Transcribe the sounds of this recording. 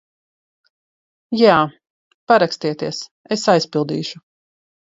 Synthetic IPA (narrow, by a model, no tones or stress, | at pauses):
jaː | paɾakst̪iɛt̪iɛs | esajspilˠd̪ḭːʃu